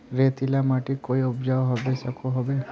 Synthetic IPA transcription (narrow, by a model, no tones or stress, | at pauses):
ɾet̪ilamaʈikoiʊbd͡ʒaʋɦɔbesəkʰoɦɔbe